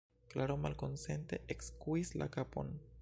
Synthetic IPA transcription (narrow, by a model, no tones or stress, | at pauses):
klaɾo̞malko̞nse̞nt̪e̞ʔekskuisla̰kapo̞̰n